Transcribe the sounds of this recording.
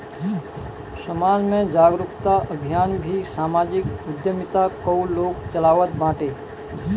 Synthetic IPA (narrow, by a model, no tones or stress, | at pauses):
səmaːd͡ʒmẽd͡ʒaːɡɾʊkt̪aʔəbʱijaːnbʱisaːmaːd͡ʒɪkʊd̪jəmɪt̪akəwloːkt͡ʃəlaːʋət̪bãːʈeː